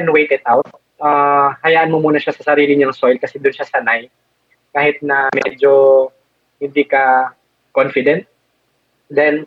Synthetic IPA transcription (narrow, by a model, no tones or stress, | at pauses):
ɛnwejt̪ɛd̪̚ʔawt̪̚ | ʔahɐjaːʔɐnmomuːnɐʃasɐsɐɾiːlɪɲʊŋsojlkɐsɛd̪ʊnʃasɐnaj | kaːhɪt̪̚nɐmɛ̰d͡ʒo | hɪnd̪ikɐ | konfɪd̪ɛnt̪̚ | d̪ɛn